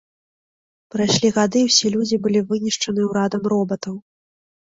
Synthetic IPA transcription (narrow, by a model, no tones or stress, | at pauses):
pɾajʂlʲiɣad̪ɨwsʲilʲud͡zʲibɨlʲivɨnʲiʂt͡ʂɐnɨwɾad̪ɐmɾɔbɐt̪ɐw